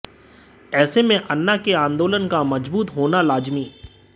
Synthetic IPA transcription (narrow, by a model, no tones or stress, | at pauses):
ɛːsemẽʔɐnːakeãːnd̪oːlənkamɐd͡ʒbuːt̪ɦoːnalaːd͡ʒmiː